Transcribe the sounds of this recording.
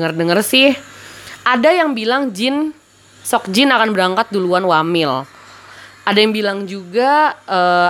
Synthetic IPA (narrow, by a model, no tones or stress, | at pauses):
ərdəŋərsɪhʔadajaŋbilaŋd͡ʒɪn | sɔk̚d͡ʒɪnakanbəɾaŋkat̪̚duluanwamɪl | ʔadajaŋbilaŋd͡ʒuɡaʔə